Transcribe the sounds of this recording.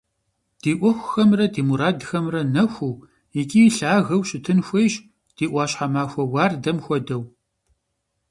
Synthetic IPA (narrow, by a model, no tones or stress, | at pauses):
d̥iːʔʷɔxʷxɐmrɐdiːmuɾaːdxɐmrɐnɐxʷuː | jikʲʼiːɬaːɣɐwɕɪtʰɨnxʷejɕ | d̥iːʔʷɑːɕħamaːxʷɐwaːrdɐmxʷɔdɐw